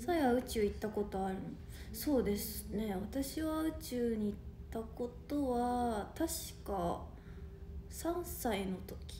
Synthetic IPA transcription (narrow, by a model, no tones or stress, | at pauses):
saiβaɯ̟t͡ɕɨːit̪ːako̞t̪o̞aɾɯ̟ | so̞ːd̪e̞sɨne̞βat̪aɕiβaɯ̟t͡ɕɨːɲ̟iːt̪ːako̞t̪o̞βat̪aɕi̥ka | sãɰ̃saino̞t̪o̞̥kʲi̥